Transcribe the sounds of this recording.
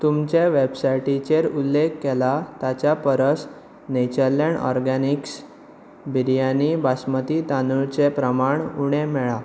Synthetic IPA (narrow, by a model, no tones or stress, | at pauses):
t̪umt͡ɕeʋebsajʈit͡ɕeɾulːekːɛlat̪at͡ɕapəɾəs | net͡ɕəɾleɳɔ̰ɾɡaniks | biɾjanibasmət̪it̪anuɭt͡sepɾəmaɳuɽ̃ẽmɛɭa